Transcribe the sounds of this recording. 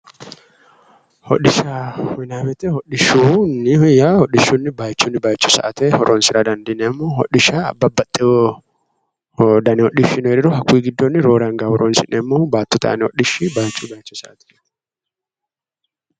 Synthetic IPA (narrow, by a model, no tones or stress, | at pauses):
hɔɗɪʃamɪnaːbɛt̪ɛhɔɗɪʃunːɪjahɔɗɪʃːuːnːɪbaːjt͡ʃːunːɪbaːjt͡ʃːʊsɐ̰ʔɐt̪ɛhɔɾʔoːnsɪɾad̪ɐnd̪ɪnɛmːoːhɔ̰ɗɪʃaːɐ̰bːɐbɐt̪ʼːɪɔ | d̪ɐnɛhɔɗɪʃːɪnɛɾɪɾɔɦɐkːwiːɡɪd̪ːonːɪɾo̞ːɾŋɡaːhɔɾoːnsɪnːɛmːoːbaːt̪ːɔt̪a̰ːnɛhɔɗɪʃːɪbaːjt͡ʃːubaːjt͡ʃːʊsɐʔɐt̪ɛ̥